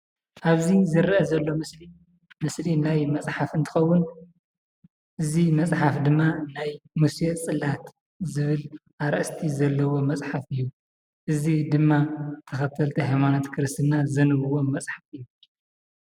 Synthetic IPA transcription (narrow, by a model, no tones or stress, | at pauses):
ʔaβzizɨɾʔɐzɐlːo̞mɨsli | mɨslinajmɐt͡sʼħafɨnt̪ʰɨ̥xɐwːʊn | ʔɨzimɐt͡sʼħafd̪ɨmːanajmuset͡sʼɨlat̪ | zɨβɨlʔaɾɐʔst̪ʰizɐlːɐwo̞mɐt͡sʼħafɨjːu | ʔɨzid̪ɨmːat̪ʰɐxɐt̪ʰːɐlt̪ʰiɦajmanot̪kʰɨɾɨst̪ʰɨnazɐnɨβɨwo̞mɐt͡sʼħafɨjːu